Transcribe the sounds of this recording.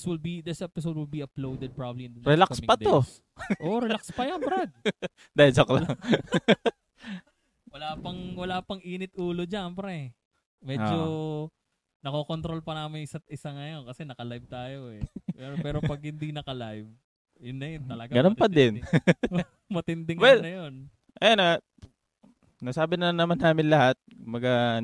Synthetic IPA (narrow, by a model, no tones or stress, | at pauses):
swɪlbid̪ɪsʔɛpɪs̬od̪̚wɪlbiɐplowd̪ɛd̪̚pɹabblinɾɛlaksmɪkpɐd̪o | ʔoʔɾɛlakspɐjanbɐɾɐd̪̚ | d̪ɐjd͡ʒoklaɐŋ | wɐlaːpɐŋwɐlaːpɐŋʔiːnɪt̪̚ʔuːlo̞d͡ʒanpɐɾɛ | mɛːd͡ʒo | nɐkokont̪ɾolpɐnaːmɪnsɐt̪ʔɪsaŋɐjonkɐsɛnɐkɐlajb̚t̪aːjoɛpɛːɾopɐɡ̚hɪnd̪inɐkɐlajv̚ | jʊnːɐjont̪ɐlɐɡaɡɐnnpɐd̪ɪn | mɐt̪ɪnd̪ɪŋwɛlnɐjon | ʔɐjana | nɐsaːbɪnɐnːɐmanaːmɪnlɐhat̪̚kmbɐɡa